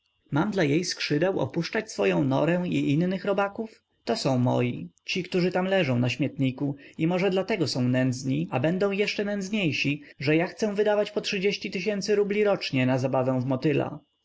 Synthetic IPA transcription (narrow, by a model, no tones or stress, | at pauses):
mamd̪lajejskʂɘd̪ɛwɔ̰puʂt͡ʂat͡ɕsfɔjɔ̃w̃nɔɾɛ̃iʔinːɘxɾɔbakuf | t̪ɔsɔ̃w̃mɔ̰jḭt͡ɕikt̪uʐɘt̪amlɛʐɔ̃w̃naɕmʲjɛt̪ɲikuimɔʐɛd̪lat̪ɛɡɔsɔ̃w̃nɛnd̪zɲiabɛnd̪ɔ̃w̃jɛʂt͡ʂɛnɛnd̪zɲejɕiʐɛjaxt̪sɛw̃vɘd̪avat͡ɕpɔtʂɘd͡ʑeɕt͡ɕit̪ɘɕɛnt̪sɘɾublʲiɾɔt͡ʂɲɛnazabavɛ̃w̃vmɔt̪ɘla̰